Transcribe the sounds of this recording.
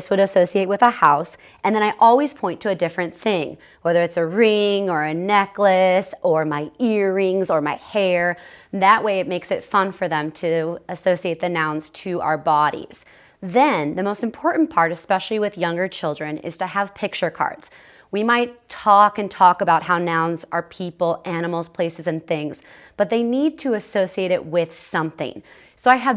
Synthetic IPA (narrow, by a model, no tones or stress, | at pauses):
swɨɾɨsoʊsieɪt̚wɨðəhaʊs | ʔɨ̃nðɨ̃ɾ̃aɪʔɔlˠwiz̥pʰɔ̃ɪ̃ntʰɨːdɪfɹɨ̃nθɪ̃ŋ | wɛðə˞ɨtsɨɹɪ̃ŋə˞ɨnɛklɨsə˞maɪɪɹɪ̃ŋzə˞maɪhɛɹðɨʔweɪɨt̚meɪksɨtfʌ̃nfə˞ðɨ̃mtʰɨəsoʊsieɪt̪̚ðɨnãʊ̃nz̥tʰɨʔa̰ʊə˞bɑɾḭz̥ | ðɨ̃nðɨmoʊstm̩pʰɔɹʔn̩pʰɑɹɾɨspɛʃl̩ˠiwɨðjʌ̃ŋɡə˞t͡ʃʰɪlˠdɹɨ̃nɪ̰z̥tʰɨəv̥pʰɪk̚t͡ʃə˞kʰɑ̰ɹdz̥ | wimaɪtʰɔkɨ̃ntʰɔkəbaʊt̚ɦaʊnãʊ̃nzə˞pʰipl̩ˠæñəml̩ˠz̥pʰl̥eɪsɨzɨ̃nθɪ̃ŋz̥ | b̥ʌt̪̚ðeɪnid̚tʰɨːsoʊsieɪɾɪʔ̚wɪð̥sʌ̃mθɪ̰̃ŋ | soʊaɪəv